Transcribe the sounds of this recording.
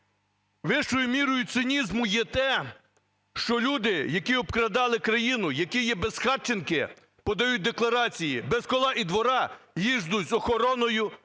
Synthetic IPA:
ʋɪʃt͡ʃɔjʊmʲiɾɔjʊsɪnʲizmʊjɛt̪ɛ | ʃt͡ʃɔlʲud̪ɪjɐkiɔbkɾɐd̪ɑlˠɪkɾɐjinʊjɐkɪjɛbezxɑt͡ʃenkɪ | pɔd̪ɐjut̚ʲd̪eklˠɐɾɑt͡sʲijibɛskɔlˠɑʔid̪ʋɔɾɑjiʒd̪ʊzʲzɔxɔɾɔnɔjʊ

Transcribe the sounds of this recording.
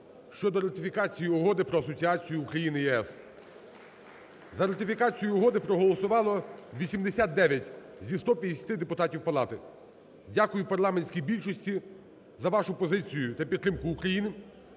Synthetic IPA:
ʃt͡ʃɔd̪ɔɾɐt̪ɪfʲikɑt͡sʲijiɔɦɔd̪ɪpɾɔɐsɔt͡sʲiɑt͡sʲijʊːkɾɐjinɪjɛɛs | zɐɾɐt̪ɪfʲikɑt͡sʲijʊɔɦɔd̪ɪpɾɔɦɔlˠɔsʊʋɑlˠɔʋʲisʲimd̪esʲat̪̚d̪ɛʋʲjɐtʲ | zʲist̪ɔpʲjɐd̪ʲesʲɐ̥t̪ɪd̪epʊt̪ɑtʲiwpɐlˠɑt̪ɪ | dʲakʊjʊpɐrlˠɑmenʲsʲkʲijbʲilʲʃɔsʲtʲi | zɐʋɑʃʊpɔzɪt͡sʲijʊt̪ɐpʲid̪ːɾɪmkʊːkɾɐjinɪ

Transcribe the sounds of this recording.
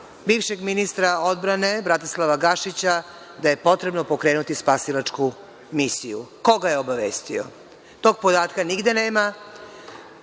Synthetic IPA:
biːʋʃe̞ɡminist̪ɾao̞d̪̚bɾane̞bɾat̪islˠaʋaɡaʃit͡ɕa | d̪aje̞po̞t̪ɾe̞bno̞po̞kɾe̞ːnut̪ispasilat͡ʂku | misijṵko̞ɡaje̞o̞baʋeːst̪io̰ | t̪o̞ːɡpod̪aːt̪kaniɡd̪e̞ne̞ːma

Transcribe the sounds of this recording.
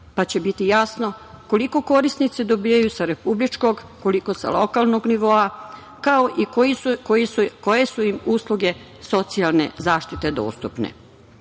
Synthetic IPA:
pat͡ɕe̞bit̪ijaːsno̞ko̞liko̞ko̞ɾisnit̪sed̪o̞biːjajusaɾe̞publit͡ʃko̞ɡ | ko̞liko̞sa̰lo̞kalˠno̞ɡniʋo̞a | kao̞ʔikoikojisuko̞je̞suimuːslˠuɡe̞ | so̞t̪sialˠne̞̰zaːʃt̪it̪e̞d̪o̰ːst̪upnḛ

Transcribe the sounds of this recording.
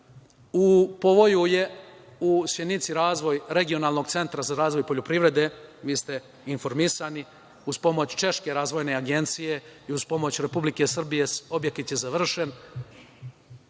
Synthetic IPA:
upo̞ʋo̞juje̞ | usjenit̪siɾaːzʋo̞jɾe̞ɡio̞naːlˠno̞ɡt̪se̞nt̪ɾazaɾaːzʋo̞jpo̞ʎopɾiʋɾe̞d̪e̞ʋiːst̪e̞ | info̞ɾmisani | uz̥po̞mo̞t͡ɕt͡ʃe̞ʃke̞ɾaːzʋo̞jne̞aɡe̞nt̪sije̞iuz̥po̞mo̞t͡ɕɾe̞publike̞sr̩bije̞so̞bjek̪it̪jizaʋr̩ʃe̞n

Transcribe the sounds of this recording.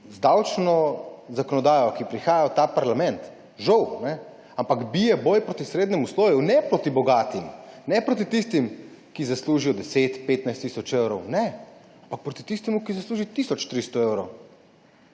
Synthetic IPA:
zd̪awt͡ʃnɔzakɔnɔd̪aːjɔkipɾixaːjawt̪apaɾlamɛnt̪ | ʒɔwnɛ | ampaɡbijɛbɔːjpɾoːt̪isɾeːd̪nɛmusloːjɛwnɛpɾot̪ibɔɡaːt̪imnɛpɾoːt̪̬it̪ist̪im | kizasluːʒijɔd̪ɛseːt̪peːt̪najst̪ːisɔt͡ʃewɾɔwnɛ | ampak̚pɾot̪i̥t̪ist̪ɛmukizasluːʒit̪iːsɔt͡ʃt̪ɾist̪ɔewɾow

